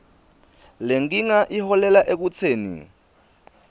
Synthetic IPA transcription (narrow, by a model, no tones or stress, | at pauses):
leŋɡ̬iŋaʔihɔlɛlaʔek̬ut͡sʰeːnḭ